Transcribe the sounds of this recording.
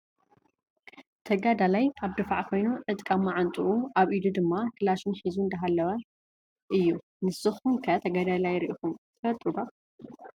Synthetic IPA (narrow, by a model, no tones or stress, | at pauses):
t̪ʰɐɡad̪alajaβd̪ɨfaʕkʰo̞jnuʕɨt̪ʼkʼamːaʕant̪ʼuʔuʔaβʔid̪ud̪ɨmːakʰɨlaʃunħizund̪ɐɦalːɐwɐ | ʔɨjːu | nɨsɨxumkʰɐt̪ʰɐɡad̪alajɾʔixumt̪ʰɐfɐlt̪ʼɨd̪a